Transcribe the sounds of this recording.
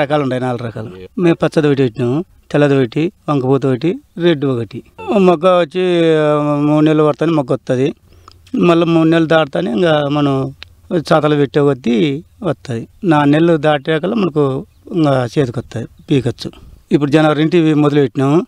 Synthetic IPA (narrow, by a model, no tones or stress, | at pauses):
ɐkaːluɳʈaːjinaːluɾɐkaːlumeːmpɐt͡ʃːɐd̪uɐʈ̬iʋeʈːinaːmu | t̪ɛlːɐd̪ʋeʈiʋɐŋkɐpuːt̪̬uʋɐʈ̬iɾeɖuʋokɐʈimɔɡːɐʋot͡ʃːi | muːɖnelːuʋɐɾt̪aːnimɔɡːɐɔt̪ːad̪i | mɐlːɐmuːɖnelːud̪aːʈt̪aːniŋɡaːmɐnɐm | t͡ʃaːt̪ɐlɐʋeʈːeːʋɐd̪ːiʋɐt̪ːad̪inaːnelːud̪aːʈiɾɛkɐlːɐmɐnɐku | ŋɡat͡ʃeːd̪ukɔt̪ːaːj̪ipiːkɐt͡ʃːuip̬ːuɽud͡ʒɐnɐʋɐɾiɳʈimod̪uluʋeʈːinaːmu